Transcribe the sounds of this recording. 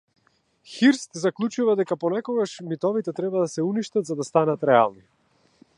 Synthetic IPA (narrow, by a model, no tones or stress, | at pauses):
xiɾst̪zaklˠut͡ʃuvad̪ɛkapɔnɛkɔɡaʃmit̪ɔvit̪ɛt̪ɾɛbad̪asɛuniʃt̪at̪zad̪ast̪anat̪ɾɛa̰lˠni